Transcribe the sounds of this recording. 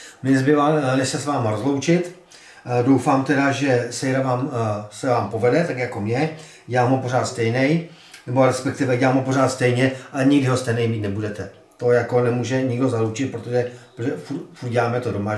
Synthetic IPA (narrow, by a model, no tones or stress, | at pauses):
mɪnɛzbɪvanɛsɛsvaːmaɾozlo̞wt͡ʃɪt̪ | dowfaːmt̪ɛɾaʒɛsɛjɾavaːmsɛvaːmpo̞vɛdɛt̪akjako̞mɲɛ | ɟɛlaːmɦopo̞ɾ̝aːt̪st̪ɛjnɛj | nɛbo̞ɾɛspɛk̚t̪ɪvɛɟɛlaːmɦopoɾaːt̪st̪ɛjɲɛʔalɛɲɪɡdɪɦost̪ɛjnɛjmiːt̪nɛbudɛt̪ɛ | t̪ojako̞nɛmuːʒɛɲɪɡdozaluwt͡ʃɪt̪̚pɾot̪oʒɛpɾoɛfut̪fut̪ɟɛlaːmɛt̪odoma